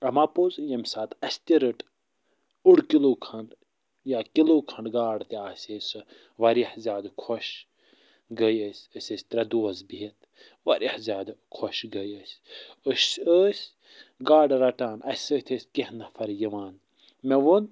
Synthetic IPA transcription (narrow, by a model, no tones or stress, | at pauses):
ɐmapozjɐmʲsaːt̪ɐsʲt̪ʲiɾɨʈ | uɽkiloːkʰɐɳɖ | jaːkiloːkʰɐɳɖɡaːɖt̪iaːsʲesɨ | ʋɐɾiħzʲjaːd̪kʰoʃ | ɡəjəsʲəsʲɐsʲt̪ɾɐd̪uɐzbiit̪ | ʋɐɾʲʔihzʲjaːd̪kʰoʃɡəjəsʲəʃəːsʲ | ɡaːɖɾɐʈaːnɐsʲəːt̪ʰəsʲkihnɐfʰɐɾjiʋaːn | meʋon